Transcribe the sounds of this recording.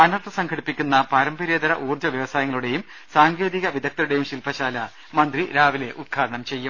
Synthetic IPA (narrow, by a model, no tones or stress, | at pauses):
ɐnɐrt̪ʰɐsɐŋkʰɐɽipːikʲːunːɐpɐɾɐmbɐɾeːd̪ɐɾɐʔuːrd͡ʑɐʋjɐʋɐsaːjɐŋːɐɭuɽe̞jum | saːŋɡe̞ːðiɣɐʋid̪ʱɐk̚t̪ɐɾuɽe̞jumɕilpʰɐɕaːlɐ | mɐnd̪riɾaːʋile̞ʔud̪̚ɡʰaːɾɐɳɐmt͡ɕe̞jːum